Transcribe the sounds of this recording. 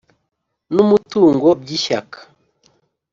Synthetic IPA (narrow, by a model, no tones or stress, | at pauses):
numutuːŋɡob̚ɟiʃa̰kḁ